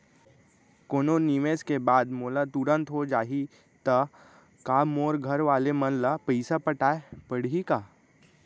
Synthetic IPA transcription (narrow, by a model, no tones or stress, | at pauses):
koːnoniʋeːskebaːd̪moːlat̪ʊɾə̃nt̪ɦod͡ʒaːɦi | t̪ɐ | kaːmoːɾɡʱɐɾʋaːlemənlapəɪsapɐʈaːepəɽ̤ikaː